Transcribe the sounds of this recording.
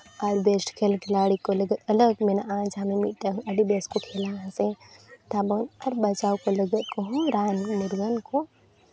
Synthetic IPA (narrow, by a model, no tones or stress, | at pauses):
ɐɾʋeːsʈkʰeːlkɪlaːɽikolɐɡət̪ɐləɡmenaãːd͡ʒamẽmiʈɐɦɐɖibeskokʰeːlãset̪aːbonɐɾbɐt͡ʃaːwkolɐɡət̪̚kɐɦũɾaːnmʊɾɡənko